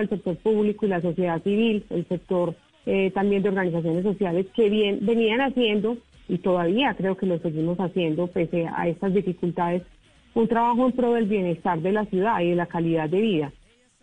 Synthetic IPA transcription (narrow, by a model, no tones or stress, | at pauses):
else̞k̚t̪o̞ɾpuβlikoilas̬o̞sje̞ðasiβile̞̰lse̞k̚t̪o̞ɾ | et̪ambje̞nd̪eoɾɣanis̬as̬jo̞ne̞sːo̞sjale̞ske̞βjenbe̞nianasje̞nd̪o̞ | it̪o̞ðaβiakɾe̞o̞ke̞lo̞se̞ɣimo̞sasje̞nd̪o̞pe̞sea̰e̞st̪azd̪ifikult̪aðe̞s | unt̪ɾaβaxoempɾo̞ðe̞lbje̞ne̞st̪aɾd̪e̞lasjuð̞aiðe̞lakaliðaðe̞βiða